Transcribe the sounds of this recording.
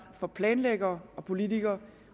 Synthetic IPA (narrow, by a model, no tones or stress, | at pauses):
fɒ̽pʰlɛːnleɡ̥ɐːɒ̽pʰo̝lit͡sʰiɡ̥ɐː